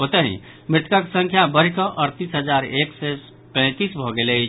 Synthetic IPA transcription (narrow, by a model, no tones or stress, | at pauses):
ot̪əɦḭ̃ | mɾɪt̪ʰkaksə̃ŋkʰjabəɾ̤ikəʔəɾt̪isɦəd͡ʒaɾekse | pɛ̃t̪isbʱɔɡele